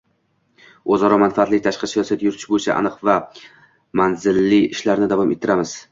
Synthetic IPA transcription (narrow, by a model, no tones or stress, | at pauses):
ozɒɾɒmanfaːt̪lɪk̚ʲt̪ʰaʃqɨsijɒsiat̪jʊɾt̪ʰɪ̥ʃbojt͡ʃʰa̰ʔa̰nɨqva | manzɪlːɪɪʃlaɾnɪd̪avɒmʔe̞t̪ʰːɪɾamɪz̥